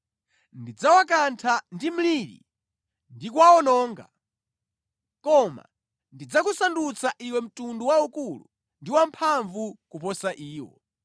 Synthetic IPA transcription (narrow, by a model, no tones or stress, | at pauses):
ndid͡zawak̬antʰandim̩liɾḭ | ndikwaɔnɔːŋɡa̰ | kɔma̰ | ndid͡zakusandut͡saʔiwɛm̩tunduwaukulu | ndiwampʰaɱvukupɔsaʔiːwɔ̰